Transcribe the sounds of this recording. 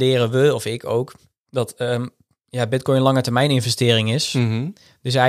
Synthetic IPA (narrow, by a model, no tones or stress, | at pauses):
ɪːrəʋəɔfɪkʰo̰wk | dɔtə | jabɪt̚kɔjənlɑŋətərmɛjnɪnvɛstɪːrɪŋɪs | d̥øs̬ɛ